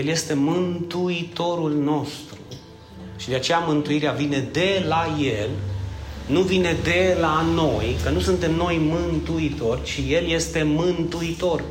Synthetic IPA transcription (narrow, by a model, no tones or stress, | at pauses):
jelje̞st̪e̞mɨnt̪uit̪o̞ɾulno̞st̪ɾu | ʃid̪e̞at͡ʃe̞jamɨnt̪uiɾeavine̞d̪e̞laje̞l | nuvine̞d̪e̞lano̞jkənusunt̪e̞mno̞jmɨnt̪uit̪o̞rʲt͡ʃije̞lje̞st̪e̞mɨnt̪uit̪o̞r